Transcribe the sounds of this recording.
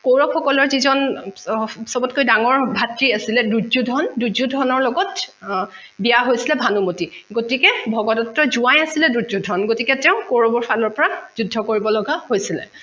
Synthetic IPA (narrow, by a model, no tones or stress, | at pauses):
koɹɔkxɔkɔlɔɹzizɔn | sɔbɔtkojdaŋɔɹbʱatɹiasilɛduzudʱɔnduzudʱɔnɔɹlɔɡɔt | bijaɦojsilɛbʱanumotiɡotikɛbʱɔɡɔdɔtːɔzuajasilɛdudzudʱɔnɡotikɛtɛʊ̃kowɹɔbɔɹpʰalɔɹpɔɹazudʱːɔkoɹibɔlɔɡahojsilɛ̰